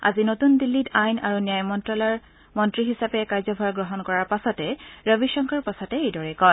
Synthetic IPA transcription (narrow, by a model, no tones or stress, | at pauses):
ʔa̰zinotundilːitʰajnaɹunijajmɔntɹɔl | mɔntɹiɦisapɛkaɹzɔbʱaɹɡɹɔɦɔnkɔɹaɹpasɔtɛɹobiʃɔŋkʰaɹpɔsatɛejdɔɹɛkɔj